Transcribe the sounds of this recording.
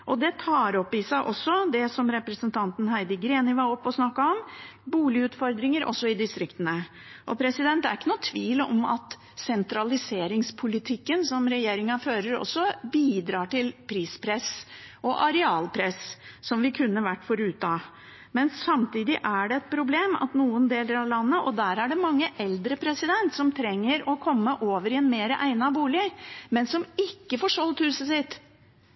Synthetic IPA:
ʔɔd̪ɛt̪ʰɑːɾɔpːɪsæɪʔɔsːɔd̪ɛsɔmɾɛpɾəsənt̪ʰɑnt̪ənhæɪd̪əɡɾeːnɪʋɑɔpːɔsnɑkːɑɔmbuːlɪʉːt̪fɔɾd̪ɾɪŋəɾʔɔ̰sːɔɪd̪ɪst̪ɾɪkt̪ənə | ʔɔpʰɾɛsɪd̪ɛnt̪d̪æɾɪkːənuːt̪ʰʋiːləɔ̰mɑ̰t̪ | sɛnt̪ɾɑlɪseːɾɪŋspʰʊlɪt̪ʰɪkːənsɔmɾɛjeːɾɪŋɑføːɾəɾɔ̰sːɔbiːd̪ɾɑːʈɪlpʰɾiːspʰɾɛsʔɔʔɑɾɛɑːlpʰɾɛssɔmʋɪkʰʉnːəʋæʈːfɔɾʉːt̪ɑ | mɛnːɑmt̪iːd̪ɪʔæɖɛɛt̪̚pʰɾʊbleːmɑ̰t̪nuːənd̪eːləɾɑʋlɑnːəʔɔd̪æːɾæɖɛmɑŋːəʔɛld̪ɾəpʰɾɛsɪd̪ɛnt̪sɔmt̪ʰɾɛŋːəɾɔkʰɔmːəʔoːʋəɾɪɛnmeːɾəʔæɪnɑbuːlɪmɛnsɔmɪkːəfɔːʂɔlt̪hʉːsəsɪt̪

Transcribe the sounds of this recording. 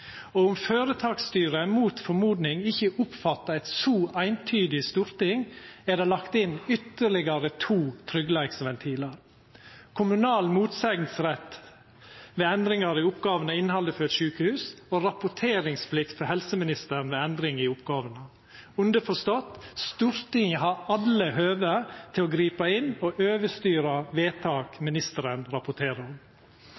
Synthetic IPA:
oːʊmføːɾət̪ʰɑːkst̪yːɾəmuːt̪fɔɾmuːd̪nɪŋɪçəʔʊpfɑt̪ːɑɛɪt̪suːʔæɪnt̪ʰyːd̪ɪst̪uːɾt̪ɪŋæɖ̪ɛlɑkt̪ɪnʏt̪ːəɭɪɡɑɾət̪ʰuːt̪ʰɾʏɡlæɪksʋɛnt̪ʰiːləɾ | kʰʊmʉnɑːlmuːt̪sɛɡnsɾɛt̪ː | ʋeːɛnd̪ɾɪŋɑɾɪʊpɡɑːʋənəɪnːhɑləfɔɾɛt̪ʃʉːkəhʉːsoɾɑpʊʈʰeːɾɪŋsflɪkt̪fɔɾhɛlsəmɪnɪst̪əɳ̩ʋeːɛnd̪ɾɪŋɪʊpɡɑːʋənə | ʉnd̪əfɔʂt̪ɔt̪ːst̪ʉːɾt̪ɪŋəɦɑɾɑləhøːʋət̪ʰɪɔːɡɾiːpɑɪnoʔøːʋəst̪yːɾɑʋeːt̪ʰɑːkmɪnɪst̪əɾənɾɑpʊʈʰeːɾəɔm

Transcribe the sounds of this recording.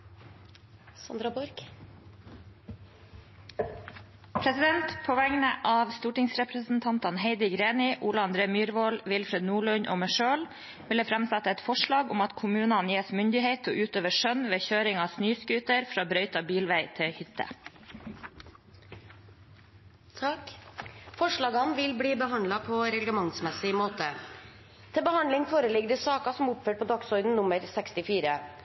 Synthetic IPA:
sɑnd̪ɾɑbʊɾɡ̥ | pʰɾɛsɪd̪ɛnt̪pʰoːʋæŋnəʔɑːʋst̪uːʈɪŋsɾɛpɾəsn̩t̪ʰɑnt̪ɑnheɪd̪ɪɡɾeːnɪʔuːlɑɑnd̪ɾeːmyːɾʋoːlʋɪlfɾɛd̪nuːɭʉɲʔo̰ːməʃøːl | ʋɪləfɾæmsæt̪ːəɛt̪fɔʂɭɑːɡʊmɑt̪kʰʊmʉːnɑnjeːsmʏnd̪ɪheɪt̪ʰo̰ːʔʉːt̪øːʋəʂœnʋeːçøːɾɪŋɑːsnyːskʉːt̪əɾfɾɑːbɾœʏt̪ɑbiːlʋæɪt̪ʰɪhʏt̪ʰːə̰ | fɔʂɭɑːɡɑnʋɪlbliːbəɦɑnd̪lɑpʰɔɾɛɡləmɑŋsmɛsɪmoːt̪ə | t̪ʰɪlbəhɑnd̪lɪŋfoːɾəlɪɡd̪ɛsɑːkɑsɔmʊpføːʈ̚pʰoːd̪ɑksɔʏd̪n̩nʊməɾsɛkst̪ɪfiːɾə

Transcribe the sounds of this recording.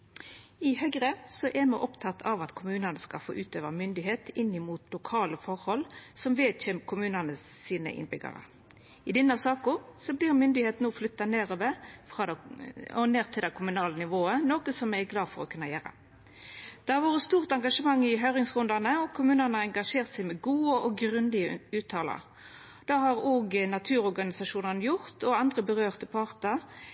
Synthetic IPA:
ɪhœɡʁəsɔʔɛmɛʔɔpt̪ʰɑt̪ːʰɑʋɑt̪kʰʊmʉːnənəskɑ̰lfo̰ːʔʉːt̪øːʋəʁmʏnd̪ɪɦeːt̪ɪnːɪmuːt̪ʰlʊkʰɑːləfɔʁhɔlsɔmʋeːd̪çɛːmkʰʊmʉːnənəsiːnə̰ʔɪ̰nbʏɡɑ̰ʁə̰ | ɪd̪ɛnːɑsɑːkʊʁsɔbliːʁmʏnd̪ɪheːt̪noːflʏt̪ːɑneːɾoːʋəfʁɑːd̪ɔneːʁt̪ʰɪld̪ɛɪkʰʊmʉnɑːlənɪʋoːənoːkəsɔmæɡlɑːd̪fɔʁɔkʰʉnːɑjæːɾə̰ | d̪̥ɛhɑʋoːʁəst̪uːʁt̪ɑŋɡɑʂəmɑŋːɪɦœʏʁɪŋsʁʉnd̪ɑnəɔkʰʊmʉːnənəɑɛŋɡɑʂeːʁt̪sæɪmɛɡuːəʔɔɡʁʉnd̪ɪəʉːt̪ʰɑːlə̰ʁ | d̪̥ɑːhɑʁoːɡnɑt̪ʰʉːɾɔʁɡɑnɪsɑʂuːnɑnəjʊʁt̪ɔɑnd̪ʁəbəʁøːʁt̪əpʰɑːʁt̪ə

